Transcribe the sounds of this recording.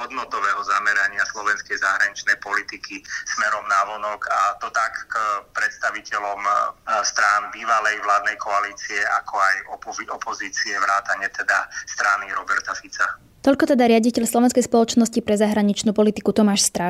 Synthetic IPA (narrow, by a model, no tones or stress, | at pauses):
ɦɔd̪nɔt̪ɔʋɛːɦɔzamɛɾaɲɪaslɔʋɛnskɛjzaɦɾaɲit͡ʃnɛjpɔlit̪ikismɛɾɔmnaʋɔnɔkʰat̪ɔt̪akːpɾɛt̪st̪aʋicɛlɔmst̪ɾanbiːʋalɛjʋlaːd̪nɛjkʰɔaliːt͡siɛa̰kʰɔajɔpɔɔpɔziːt͡siɛʋɾaːt̪aɲɛt̪ɛd̪a̰st̪ɾaniɾɔbɛɾt̪afit͡sa | t̪ɔʎʲkɔt̪ɛd̪aɾɪaɟicɛʎslɔʋɛnskɛjspɔlɔt͡ʃnɔscipɾɛzaɦɾaɲit͡ʃnuːpɔlit̪ikut̪ɔmaːʃst̪ɾa